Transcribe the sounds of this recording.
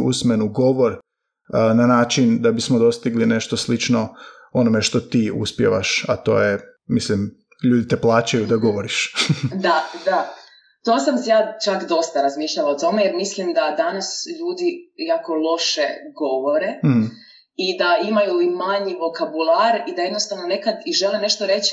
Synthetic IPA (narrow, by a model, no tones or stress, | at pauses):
ṵsmenuɡo̞ʋo̞ɾ | nanaːt͡ʃind̪abismod̪o̞st̪iɡline̞ʃt̪oslit͡ʃno̞ | o̞nome̞ʃt̪o̞t̪iːṵspjḛʋa̰ʃat̪o̞̰ːjemislim | ʎuːd̪it̪eplˠaːt͡ʃajud̪aɡo̞ʋoɾiʃd̪ad̪a | t̪oːsamsjaːt͡ʃakd̪o̞st̪aɾazmiːʃlʎalaot̪o̞mejeɾmislimd̪ad̪anasʎuːd̪ijaːko̞lˠo̞ʃeɡo̞ʋo̞ɾe̞m | id̪aimajuimaɲiʋo̞kabulˠaɾid̪aje̞d̪nost̪aʋno̞ne̞kad̪iʒelene̞ʃt̪o̞ɾe̞t͡ɕ